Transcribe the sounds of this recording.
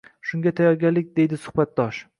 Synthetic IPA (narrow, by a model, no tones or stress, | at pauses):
ʃʊŋɡʲat̪ʰajɒɾɡʲanlɪk̚ʲd̪e̞jd̪ɪsʊ̥hbat̪̚d̪ɒʃ